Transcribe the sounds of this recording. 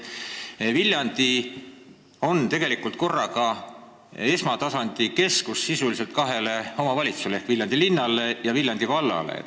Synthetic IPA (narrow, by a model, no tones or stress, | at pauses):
vilʲjɑnd̪i | o̞nt̪e̞ɡe̞likˑult̪̚ko̞rːɑkɑ | e̞smɑt̪ɑsɑnd̪̥ike̞skusːisulise̞lt̪̚kɑɦe̞le̞o̞mɑvɑlʲit̪susleehkviljɑnd̪̥ilinːɑlejɑvilʲjɑnd̪̥ivɑlːɑ̰lḛ